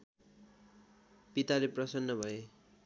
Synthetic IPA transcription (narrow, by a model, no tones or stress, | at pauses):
pit̪aleprʌsʌnːʌbʱʌe